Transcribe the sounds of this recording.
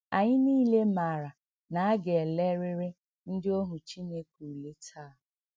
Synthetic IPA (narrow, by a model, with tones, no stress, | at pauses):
a˨ɲɪ˦niː˦le˦ma˨ɾa˨ | na˨a˦ɡe˨le˦ɾɪ˦ɾɪ˦ | n̩˦dɪ˦o˦ɦu˨t͡ʃi˦ne˦kʷu˨le˦tʰaː˦˨